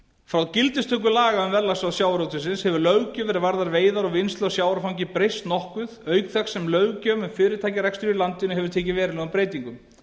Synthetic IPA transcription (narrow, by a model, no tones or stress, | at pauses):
fɾawðcɪlt̪ɪst̪ʰʏk̬ʏlaːɣaʏmvɛɾlasaðsjaːwɾowt̪ʏsɪnshɛvʏɾlœɥɣcœvɛːɾɪɾvaɾðaɾveːjðaɾɔɣvɪnst̪lawsjaːwɾafawɲcɪpɾejst̪nɔhkʏðœːɥkθɛksɛmlœːɥɣcœːmɛmfɪːɾɪɾt̪ʰajcɪɾɛkst̪ɾilant̪ɪnʏɦɛvʏɾ̥t̪ʰeːc̬ɪvɛːɾɪlɛɣampɾeːjt̪iŋkʏm